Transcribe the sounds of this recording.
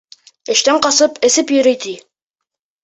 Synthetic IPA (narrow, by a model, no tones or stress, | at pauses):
ɘ̆ʃt̪æɴqɑsɤpʰɘ̆sɘpjɵ̆ɾɘ̆jt̪i